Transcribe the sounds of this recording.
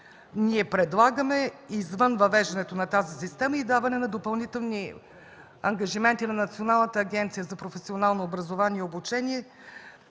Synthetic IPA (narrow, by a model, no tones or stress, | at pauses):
niɛpɾɛd̪lˠaɡəmɛizvɤnvɐvɛʒd̪ɐnɛt̪onɐt̪azisist̪ɛməid̪avɐnɛnɐd̪opɐlˠnit̪ɛlˠni | ɐŋɡɐʒimɛnt̪inɐnɐt̪sionalˠnət̪əːɡʲɛnt̪sijəzɐpɾofɛsionalˠnoːbɾɐzovaniɛobut͡ʃɛniɛ